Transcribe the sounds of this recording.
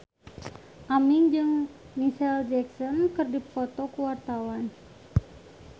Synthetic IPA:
ʔamiŋd͡ʒɨŋ | misɛld͡ʒɛksɔnkɨrdipɔt̪ɔkuwart̪awan

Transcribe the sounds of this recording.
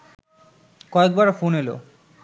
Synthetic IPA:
kɔek̚baɾfonelo̰

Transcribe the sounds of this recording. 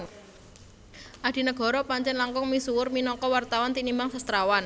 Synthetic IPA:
ŋ | ʔad̥i̤nəɡ̥ɔ̤ɾɔpaɲt͡ʃɛnlaŋkʊŋmisuwʊrminɔkɔwart̪awɔnt̪inimbaŋsast̪ɾawan

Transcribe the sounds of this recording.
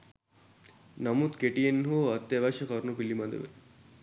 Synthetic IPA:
nɐmut̪keʈienɦoɐt̪ːjeʋaʃɐkɐɾnupilːimad̪ḛʋḛ

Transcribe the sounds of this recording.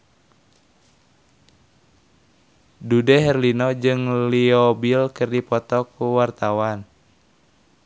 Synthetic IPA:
dudɛɦɛrlinɔd͡ʒɨŋliɔbilkɨrdipɔt̪ɔkuwart̪awan

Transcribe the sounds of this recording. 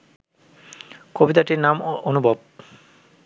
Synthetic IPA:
kobit̪aʈiɾnamonubʱɔb̚

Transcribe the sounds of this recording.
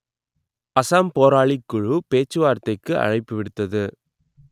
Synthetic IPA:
ɐsaːmpoːɾaːɭikːʊɻupeːt͡ʃːɯʋaːɾt̪ːɐɪkːɯʔɐ̰ɻɐɪpːɯʋɪɽɯt̪ːɐðɯ

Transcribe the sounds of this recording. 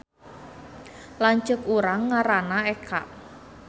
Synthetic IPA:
laɲt͡ʃəkuɾaŋːaɾanaekʰa̰ʔ

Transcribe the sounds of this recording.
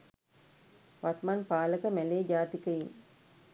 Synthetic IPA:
ʋat̪manpaːləkəmɛleːd͡ʒaːt̪ikəjin

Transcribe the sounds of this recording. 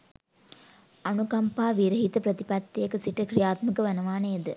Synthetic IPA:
ɐnukɐmpaːʋiɾɐɦit̪ɐpɾɐt̪ipɐt̪ːejɐkːɨsiʈɐkɾijaːt̪mɐkɐʋɐnɐʋaːnɐjɐd̪ɨ

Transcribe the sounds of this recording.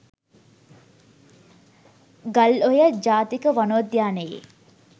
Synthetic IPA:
ɡalojəd͡ʒaːt̪ikəʋanoəd̪jaːnəjḛ

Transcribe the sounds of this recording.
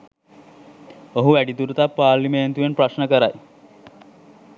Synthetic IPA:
əɦuʋæɽit̪uɾut̪apaɾlimeənt̪uʋenpɾəɕnəkəɾa̰j

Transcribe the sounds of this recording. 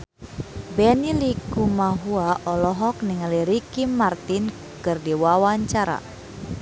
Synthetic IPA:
bɛnilikumaɦuaʔɔlɔɦɔk̚niŋaliɾikimart̪in | kɨrdiwawaɲt͡ʃaɾa̰

